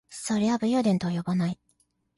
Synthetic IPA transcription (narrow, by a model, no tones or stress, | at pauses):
soɾʲiabɯjod̪ẽ̞nt̪ojo̞banai